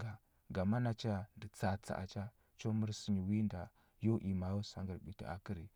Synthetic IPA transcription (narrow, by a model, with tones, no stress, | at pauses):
ɡa˨ | ɡa˨ma˦na˦t͡ʃa˦a˨ndə˨t͡sa˨t͡sa̰˨ʔa̰˨t͡ʃa˦ | t͡ʃo˦mu˦ɾsi˦ɲi˨wi˦nda˨ | jo˦ʔi˨ma˨˦jo˦sa˨ŋɡə˨ɓi˨tḭ˨a̰˨ki˦ɾi˨